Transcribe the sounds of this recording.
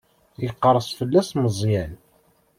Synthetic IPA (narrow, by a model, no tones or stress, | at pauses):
jəqːəɾˤəsˤfəlːæsməzˤjæn